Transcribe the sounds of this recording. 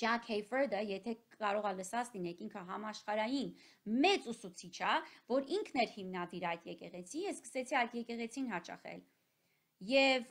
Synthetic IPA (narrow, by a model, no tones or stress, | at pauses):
d͡ʒɑkʰhɛjfɛɾd̪əjɛt̪ʰɛɑɾɔʁɑləsɑt͡slinɛkiŋkʰəɦɑmɑʃχɑɾɑjin | mɛt͡susut͡sʰit͡ʃʰɑvɔɾiŋkʰnɛɾhimnɑd̪iɾɑjt̪jɛkɛʁɛt͡sʰinjɛskə̥sɛt͡sʰiɑjt̪jɛkɛʁɛt͡sʰinɦɑt͡ʃɑ̰χɛ̰l | jɛv